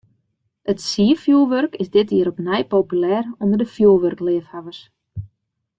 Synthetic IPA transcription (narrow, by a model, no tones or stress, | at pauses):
ətsiəfjuːlˠʋørkɪsdɪtiəɾɔpnɛjpoːpylɛːrondərdəfjuːlˠʋørklɪəfhavərs